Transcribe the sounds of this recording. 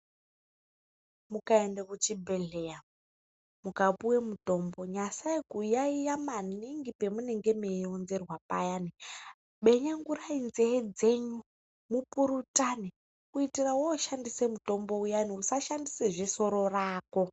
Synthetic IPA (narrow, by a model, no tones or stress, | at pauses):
mukaendekut͡ʃibʱeɮeja | mukapuwemuto̞mbo̞ɲasaikujaijamaniŋɡipe̞muneŋɡemeonzerwapajani | ɓe̞ɲaŋɡurainzeɦed͡ze̞ɲu | mupuɾutʼani | kuitirawoːʃandisemuto̞mbo̞ujaniusaʃandiseʐiso̞ɾo̞raːko